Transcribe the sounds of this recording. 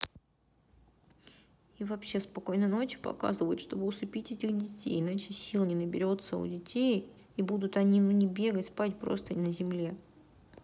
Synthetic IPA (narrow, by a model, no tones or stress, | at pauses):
ivɐpɕːe̞spɐko̞jnəno̞t͡ɕpɐ̰ka̰zɨvəjʊt̪ʂt̪o̞bɨʊsʊpʲitʲetʲɪɣdʲɪtʲḛjɪnat͡ɕɪsʲilˠnʲɪnəbʲɪɾʲo̞t̪sə̰ʊ̰dʲɪtʲej | ibud̪ʊt̪ɐnʲinunʲɪbʲe̞ɡətʲspatʲpɾo̞̰st̪ənəzʲɪmlʲe̞